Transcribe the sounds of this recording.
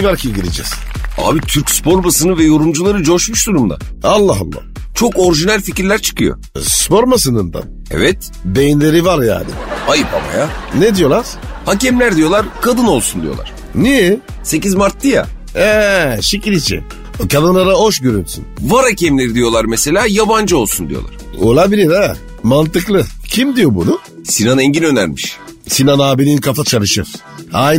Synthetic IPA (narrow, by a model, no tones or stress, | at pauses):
vaɾcʰiɟiɾed͡ʒɛ̰z̥a̰ːbit̪ʰyɾcʲspʰo̞ɾbasɯnɯvɛjo̞ɾumd͡ʒulˠaɾɯd͡ʒoʃmuʃd̪uɾumd̪a̰alˠːaɦa̰lˠːa̰ht͡ʃʰo̞ko̞ɾʒinælʲficiɾlʲæɾt͡ʃʰɯ̥kʰɯjo̰ | spo̞ɾmasɯnɯnd̪a̰n | ɛ̰vɛt̪ | bejinlʲe̞ɾivaɾja̰ːnɪ̰ajɯpʰa̰ma̰janed̪ijo̞lˠaɾ̥hacɛmlʲæɾd̪ijo̞lˠaɾkʰad̪ɯno̞lˠsund̪ijo̞̰lˠa̰ɾ̥ | nijɛ | se̞cizmaɾt̪d̪ɯja̰ | ɛʃiciɾit͡ʃʰḭn | kʰad̪ɯnlˠaɾaɦo̞ʃɟøɾynsy̰nvaɾhacʰɛmlʲe̞ɾid̪ijo̞lˠaɾmese̞lʲaːjaband͡ʒɯo̞lˠsund̪ijolˠa̰ɾ̥olˠabilʲed̪a | mant̪ɯklˠɯcʰimd̪ijo̞bṵnʊ | sinanɛɲɟinø̞næɾmiʃ | sinanaːbilʲinkʰafat͡ʃʰalˠɯʃɯ̰ɾ̥ | aj̪